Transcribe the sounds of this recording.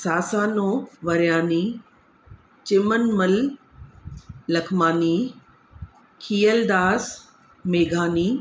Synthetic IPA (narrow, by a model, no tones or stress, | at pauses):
saːsaːnoːʋɐɾjaːniː | t͡ɕɪmənmɐl | ɐkʰmaːniː | kʰiːəld̪aːs | meːɡʱaːniː